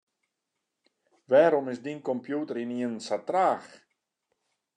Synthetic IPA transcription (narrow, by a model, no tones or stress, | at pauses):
ʋɛːɾɔmɪsdinkɔmpjuːtəɾiniənsatraːx